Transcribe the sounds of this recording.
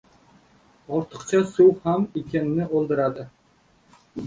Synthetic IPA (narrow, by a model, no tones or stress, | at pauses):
ɒɾt̪ʰɨ̥qt͡ʃʰasuwhamekʲenɪnɪʔolˠd̪ɨɾad̪ɪ